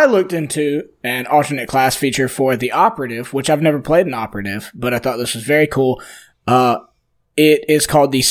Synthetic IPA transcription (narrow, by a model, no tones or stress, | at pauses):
ɪlʊk̚tɪ̃ntʰʉ | ɨ̃nʌlˠtə˞nɨt̚kʰl̥æsfit͡ʃə˞fə˞ðiʔɑpə˞ɨɾɪvwət͡ʃaɪvnɛvə˞pʰl̥eɪɾɨ̃n̩ɑpə˞ɨɾɪv̥b̥ʌɾaɪθɔt̪̚ðɪswʌzvɛɹikʰulˠ | ʌ | ɪɾɪz̥kʰɔlˠd̪̚ðɨs